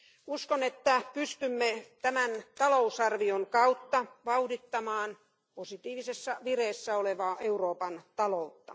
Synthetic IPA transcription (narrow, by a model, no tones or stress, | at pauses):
uskonet̪ːæpyst̪ymːet̪æmænt̪ɑlousɑrʋioŋkɑut̪ːɑʋɑudit̪ːɑmɑːn | posit̪iːʋisesːɑʋireːsːæoleʋɑːʔeuroːpɑnt̪ɑlout̪ːɑ̥̰